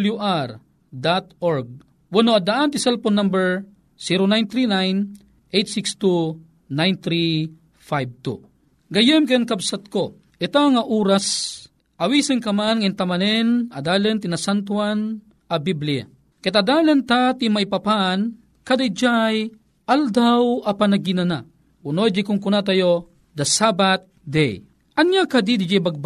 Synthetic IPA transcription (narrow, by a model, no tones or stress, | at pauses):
ljuʔaɾ | d̪at̪oɹɡ̚ | wɐnoɐd̪aʔant̪ɪsɛlponːɐmbɛɹ | siɾonajnt̪ɾinajn | ʔejt̪sɪkst̪u | najnt̪ɾi | fajb̚t̪u | ɡɐjɪmkɛnkɐbsat̪̚ko | ʔɪt̪aŋɐʔuːɾas | ʔɐwiːsɪnkɐmanŋɪnt̪ɐmɐnɛnɐd̪aːlɛnt̪inasant̪wan | ɐbiblija̰ | kɛt̪ad̪aːlɐnt̪at̪imaipɐpan | kad̪aid͡ʒaj | ʔald̪awɐpanɐɡinana | unod͡ʒikʊŋkʊnat̪ɐjo | d̪ɐsabat̪̚d̪ɛj | ʔɐnjakad̪id̪id͡ʒabaɡ̚ba